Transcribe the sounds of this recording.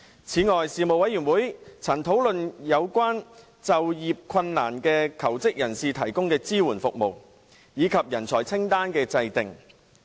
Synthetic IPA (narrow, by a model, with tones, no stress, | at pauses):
t͡sʰiː˨˧˥ŋɔː˨jsiː˨mo˨wɐ˨˥jɥyː˨˩nwuː˨˥jt͡sʰɐ˨˩nt̪ʰo˨˥wlɵ˨njɐ˨˧wkʷaː˥n | t͡sɐ˨wjiː˨p̚kʰɐ˧nːa̰ː˨˩nkɛː˧kʰɐ˨˩wt͡sɪ˥k̚jɐ˨˩nsiː˨t̪ʰɐ˨˩jkʊ˥ŋkɛː˧t͡siː˥wuː˨˩nfʊ˨k̚mo˨˩w | jiː˨˧kʰɐ˨p̚jɐ˨˩nt͡sʰɔ̰ː˨˩jt͡sʰɪ˥ŋt̪aː˥nkɛː˧t͡sɐ˧jt̪ɪ˨ŋ